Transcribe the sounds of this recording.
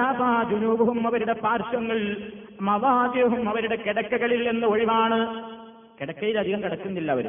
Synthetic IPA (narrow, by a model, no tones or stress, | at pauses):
aːbaːd͡ʒunuːbɐʋɐmːɐʋɐɾuɽe̞paːɾʂɐŋːɐɭ | mɐʋaːd̪jɐɦumɐʋɐɾuɽe̞keɽɐkːɐɣɐɭilːe̞nːɐo̞ɻiʋaːɳɨ | kɛɽɐkːɐjilɐd̪ʱiɣɐmkiɽɐkːunːilːɐːʋɐɾṵ